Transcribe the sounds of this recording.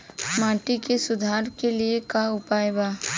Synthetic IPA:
mãːʈikesʊd̪ʱaːɾkeliekaʊpaːjbaː

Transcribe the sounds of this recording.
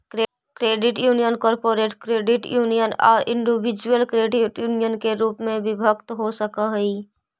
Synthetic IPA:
kɾeːɖɪʈjuːnijənkɔːɾpoːɾeːʈkɾeːɖɪʈjuːnijənɔ̰ːɾʔɪ̃ɳɖibɪd͡ʒuəlkɾeːɖɪʈjuːnijənkeɾuːpmẽbɪbʱəkt̪ɦosəkaɦiː

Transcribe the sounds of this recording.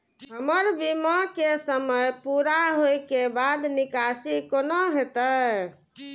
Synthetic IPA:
ɦəməɾbimakesəməjpuɾaɦojkebad̪nikasikonoɦet̪ə

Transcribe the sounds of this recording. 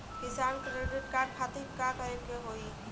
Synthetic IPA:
kɪsabkɾeɖɪʈ̚kaɾɖ̚kʰat̪ikkakəɾekeɦoi

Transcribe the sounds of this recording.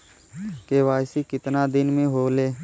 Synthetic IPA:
keʋaːjsikɪt̪nad̪ɪnmẽɦoːleː

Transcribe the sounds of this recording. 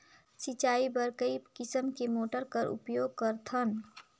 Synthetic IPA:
sit͡ʃaːibəɾkəipkɪsəmkemoːʈəɾkəɾṵpjoːɡ̚kəɾt̪ʰən

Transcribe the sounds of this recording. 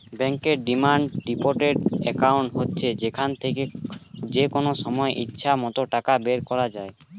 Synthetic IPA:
bɛŋkeɾɖimaɳɖɖipoɾʈeɖɛkawɳʈɦotːɕʰed͡ʑekʰant̪ʰeked͡ʑekonoʃɔmɔeʔitːɕʰamɔt̪oʈakabeɾkɔɾad͡ʑae

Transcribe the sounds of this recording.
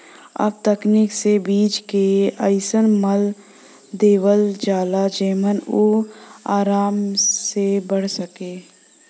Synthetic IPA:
ɐ̰b̚t̪əkniksebiːd͡ʒkeəɪsənməl | d̪eːwəld͡ʒaːlad͡ʒeːmənoaːɾaːmsebəɽ̤səkeː

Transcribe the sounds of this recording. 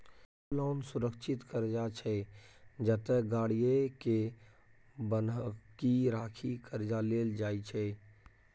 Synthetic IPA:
lɔːnsʊɾəkʃʰɪt̪kəɾd͡ʒat͡ʃʰɛd͡ʒət̪əɡaːɽijeke | bənkiɾaːkʰikəɾd͡ʒaleːld͡ʒaːit͡ʃʰɛ

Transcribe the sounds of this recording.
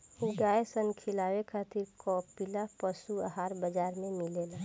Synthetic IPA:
uɡaːesənkʰɪlaːwekʰaːt̪ɪɾkɔpilapəsuəɦaːɾbəd͡ʒaːɾmẽmɪlela

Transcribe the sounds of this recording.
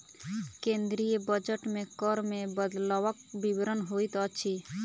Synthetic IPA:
kẽnd̪ɾijəbəd͡ʒəʈmẽkɔɾmẽbəd̪laʋək̚biʋɾənɦoit̪ət͡ʃʰi

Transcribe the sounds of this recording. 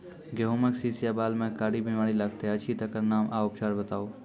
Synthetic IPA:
ɡeɦõːmeksiːsijaːbaːlmẽːkaːɽibimaːɽilɐɡ̚t̪eɐt͡ʃʰit̪ɐkəɾnaːmʔaːʊpt͡ʃaːɾbət̪aːoː

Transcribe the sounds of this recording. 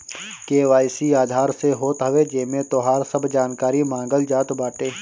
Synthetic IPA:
keːʋaːjsiaːd̪ʱaːɾseɦoːt̪ɦɐʋed͡ʒemẽt̪oːɦaːɾsɐbd͡ʒaːnkaːɾimãːŋɡəld͡ʒaːt̪baːʈeː

